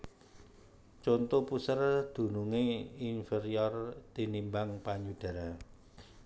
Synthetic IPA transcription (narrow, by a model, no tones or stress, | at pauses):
t͡ʃɔnt̪opusərd̪̥ṳnuŋeinfeɾiɔrt̪inimbaŋpaɲud̪̥a̤ɾa